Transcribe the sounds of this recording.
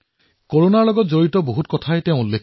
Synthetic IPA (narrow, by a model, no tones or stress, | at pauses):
koɹonaɹlɔɡɔtzoɹitɔboɦutkɔtʰajteʊ̃ulːek